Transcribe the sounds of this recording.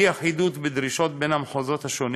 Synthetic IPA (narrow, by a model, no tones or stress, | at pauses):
iaħid̪ut̪bed̪ɾiʃo̞t̪̚benamħozot̪haʃon